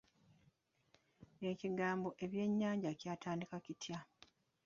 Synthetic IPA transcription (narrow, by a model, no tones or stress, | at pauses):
eːciɡaːmboʔe̞βje̞ɲːaːɲɟacjaːtʰaːndikacitʰja